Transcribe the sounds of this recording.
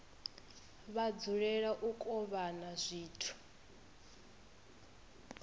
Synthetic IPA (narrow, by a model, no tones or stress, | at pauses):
βad͡zuɺɛɺaʔukʼɔβanazʷiːtʰu̥